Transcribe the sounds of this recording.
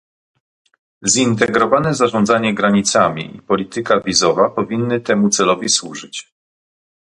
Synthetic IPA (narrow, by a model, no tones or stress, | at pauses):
zint̪̬ɛɡɾɔvanɛzaʐɔnd̪zaɲɛɡɾaɲit̪samʲḭʔḭpɔlʲit̪ɘkavʲizɔvapɔvʲinːɘt̪ɛmut̪sɛlɔvʲiswuʐɘt͡ɕ